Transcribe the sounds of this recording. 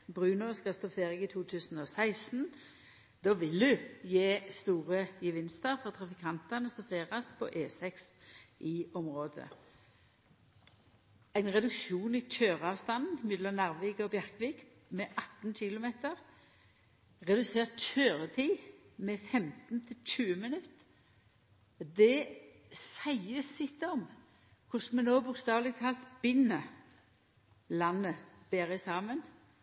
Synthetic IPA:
bʁʉːnɔskɑst̪ɔfeːʁɪɡit̪ʰuːt̪ʰʉːsn̩ɔsæɪsn̩ | d̪̥ɔːʋɪld̪ʉjeːst̪uːʁəjəʋɪnst̪əʁfɔʁt̪ʰɾɑfɪkʰɑnt̪ɑnəst̪ɔfeːʁɑspʰɔ̰ʔeːsɛksʔɪːɔmʁoːd̪ə̰ | æɪnʁɛd̪ʉkʃuːniːc͡çøːʁɑːʋst̪ɑnn̩mɛd̪lɔmnæʁʋiːɡəɔbjæʁkʋiːɡ | mɛʔɑt̪n̩ɕɪlʊmeːt̪əʁ | ʁɛd̪ʉseːʁt̪c͡çøːʁət̪ʰiːmɛfɛmt̪n̩t̪ʰɪlc͡çʉːəmɪnʉt̪ː | d̪ɛ | sæɪəsɪt̪ɔm | kʰʊsmɛnoːbʊkst̪ɑːʋlɪɡt̪̚kʰɑlt̪b̥ɪnə | lɑnːəb̥eːʁɪsɑːmən

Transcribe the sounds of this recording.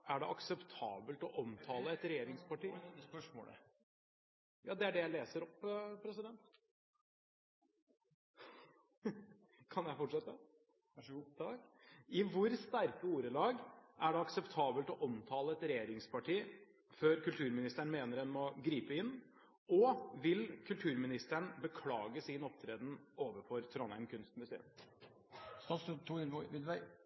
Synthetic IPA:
æɖɛʔɑksɛpt̪ʰɑ̰ːbəlt̪ɔʔɔmt̪ʰɑːləɛt̪ɾɛjeːɾɪŋspʰɑʈiː | jɑːd̪ɛæɖɛjæɪleːsəɾɔpːpʰɾɛsɪd̪ɛnt̪ | kʰɑnjæɪfɔʈʂɛt̪ːə | t̪ɑkɪʋʊɾst̪æɾkəuːɾəlɑːɡʔæɖɛɑksɛpt̪ʰɑːbəlt̪ɔʔɔmt̪ʰɑːləɛt̪ɾɛjeːɾɪŋspʰɑʈʰiː | føːɾkʉlt̪ʰʉːɾmɪnɪst̪əɳ̩meːnəɾɛnmɔɡɾiːpəɪnː | ɔʋɪlkʰʉlt̪ʰʉːɾmɪnɪst̪əɳbəkʰlɑːɡəsiːnɔp̚t̪ʰɾeːd̪n̩oːʋəfɔɾt̪ʰɾɔnɛ̰mkʰʉnst̪mʉsḛːm | sɑst̪ʰuːɪʋɪlʋæɪ

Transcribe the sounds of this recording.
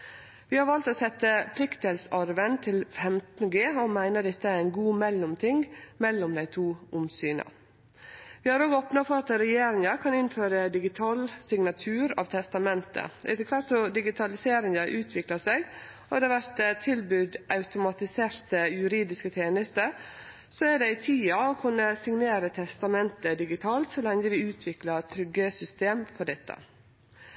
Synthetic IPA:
ʋɪːhɑɾʋɑlt̪oːsɛt̪ːəpʰlɪkt̪ɛlsɑɾʋənt̪ʰɪlfɛmt̪n̩ɡeːomæɪnəd̪ɛt̪ːəæɾɪnɡuːmɛlːʊmt̪ʰɪŋmɛlːʊmd̪æɪt̪ʰuːʔʊmsyːnɑ̰ | ʋɪːhɑɾoːɡopnɑfɔɾɑt̪ɾɛjeːɾɪŋɑkʰɑnɪnføːɾəd̪ɪɡɪt̪ʰɑːlsɪŋnɑt̪ʰʉːɾɑ̰ːʋt̪ʰɛst̪ɑmɛnt̪ə̰ɪ̰t̪əkʰʋæɾsɔd̪ɪɡɪt̪ʰɑlɪseːɾɪŋəʔʉːt̪ʰʋɪklɑsɛɡ | ɔd̪ɛʋæɾt̪t̪ʰɪlbʉd̪ʔɑʉt̪ʊmɑt̪ɪseːɾt̪əjʉɾiːd̪ɪskət̪ʰjeːnəst̪ə | sɔæɖɛɪt̪ʰiːɑokʰʉnːəsɪŋneːɾət̪ʰɛst̪ɑmɛnt̪əd̪ɪɡɪt̪ʰɑːlt̪sɔlɛŋəʋɪʉːt̪ʰʋɪklɑt̪ʰɾʏɡəsʏst̪eːmfɔɖɛt̪ːə̰

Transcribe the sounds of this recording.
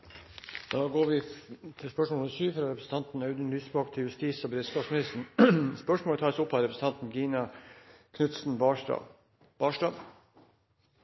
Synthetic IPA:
d̪̥ɑːɡoːɾʋɪt̪ʰɪlspœʂmoːləsyːfɾɑɾɛpɾəsn̩t̪ɑnt̪n̩ɑʉd̪ənlyːsbɑːkt̪ʰɪljʉst̪iːsɔbɾɪt̪sk̪ɑːfsmɪnɪst̪əɳ̩spœʂmoːt̪ʰɑːsʊpːɑɾɛpɾəs̩n̩t̪ɑnt̪n̩ɡiːnɑ | kʰnʉt̪sn̩bɑ̰ | b̥ɑːʂdɑʋ

